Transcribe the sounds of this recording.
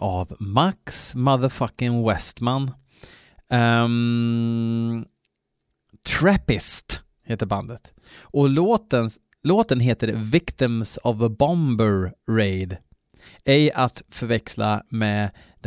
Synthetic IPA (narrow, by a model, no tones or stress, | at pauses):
ʔavmaksmaðəɾfakɪŋwɛst̪man | t̪ʰɾɛpɪst̪ | heːt̪əɾband̪ət̪ | ɔloːt̪ən | loːt̪ənɦeːt̪əɾvɪkt̪ɪmsɔvbɔmbəɾːɛɪd̪ | ɪjat̪fœɾvɛksla̰mɛ | d̪